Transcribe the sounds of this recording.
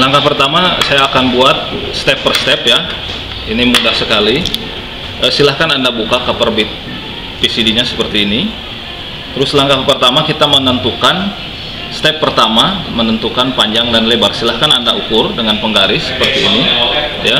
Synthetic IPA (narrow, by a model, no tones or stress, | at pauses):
laŋkapərt̪amasajaːkanbuat̪̚st̪ɛpːərst̪ɛpja | inimudahsəkali | ʔəsilahkanandabukakəpərbɪt̪̚ | pisidiɲasə̥pərt̪iːni | t̪əɾʊslaŋkapərt̪amakit̪amənənt̪ukan | st̪ɛpːərt̪amamənənt̪ukanpaɲd͡ʒaŋdanlebarsilahkanandaukʊrdəŋanpəŋɡaɾɪsːə̥pərt̪iːnija